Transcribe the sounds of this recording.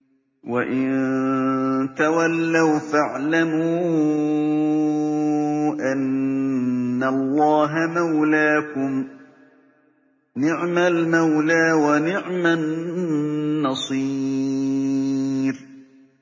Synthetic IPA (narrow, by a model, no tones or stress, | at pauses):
waʔɪn | t̪awalːawfaʕlamuː | ʔanː | alˤːɑːɦamawlaːkʊm | nɪʕmalmawlaːwanɪʕma | ɑsˤi | ɾ